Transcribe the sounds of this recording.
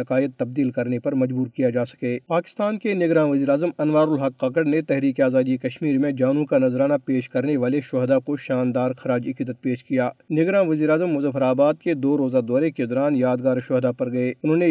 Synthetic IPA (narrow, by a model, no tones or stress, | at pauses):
ɐkaːjət̪ːɐb̚d̪iːlkɐɾnepɐɾmɐd͡ʒbuːɾkijad͡ʒaːsɐ̥keːpaːkɪ̥st̪aːnkenɪɡɾãːʋɐziːɾaːzəmɐnʋaːɾʊlɦɐkːaːkəɽnet̪ɛɦɾiːkiaːzaːd̪ikɐʃmiːɾmẽd͡ʒaːnũkanɐzɾaːnapeːʃkɐɾneʋaːleʃɔɦd̪akoʃaːnd̪aːɾxɐɾaːd͡ʒɪkɪd̪ət̪̚peːʃkijaːnɪɡɾãːʋɐziːɾaːzəmːʊzəfɾaːbaːd̪̚ked̪oːɾoːzad̪ɔːɾeked̪ɔːɾaːnjaːd̪ɡaːɾʃɔɦd̪apɐɾɡɐeːʊnɦõːne